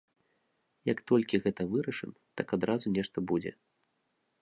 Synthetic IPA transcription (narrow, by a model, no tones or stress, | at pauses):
jɐkt̪ɔlʲkʲiɣɛt̪ɐvɨɾɐʂɨm | t̪akad̪ɾazunʲɛʂt̪ɐbud͡zʲɛ̰